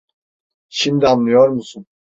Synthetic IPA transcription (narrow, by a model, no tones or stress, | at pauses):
ʃimd̪ianːˠɯjoɾmusun